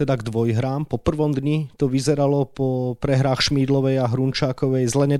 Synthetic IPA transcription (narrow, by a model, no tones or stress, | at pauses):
ɛd̪aɡd̪ʋɔjɦɾaːmpɔpr̩ʋɔmd̪ɲit̪ɔʋizɛɾalɔpɔpɾɛɦɾaːxʃmiːd̪lɔʋɛjaɦɾunt͡ʃaːkɔʋɛjzlɛɲɛ